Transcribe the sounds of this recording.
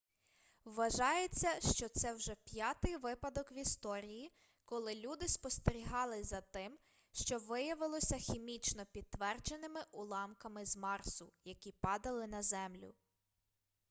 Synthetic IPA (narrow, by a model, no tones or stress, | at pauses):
wʋɐʒɑjet͡sʲːɐʃt͡ʃɔt̪sɛwʒɛpʲjɑt̪ɪjʋɪpɐd̪ɔkʋʲist̪ɔɾʲiji | kɔlˠɪlʲud̪ɪspɔst̪eɾʲiɦɑlˠɪzɐt̪ɪm | ʃt͡ʃɔʋɪjɐʋɪlˠɔsʲɐxʲimʲit͡ʃnɔpʲid̪̚t̪ʋɛrd͡ʒenɪmɪʔulˠɑmkɐmɪzmɑrsʊjɐkʲipɑd̪ɐlˠɪnɐzɛmlʲʊ̰